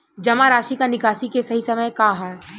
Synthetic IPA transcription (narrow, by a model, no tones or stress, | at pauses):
d͡ʒɐmaɾaːʃikanɪkaːʃikesɐɦisɐməjkaɦɛ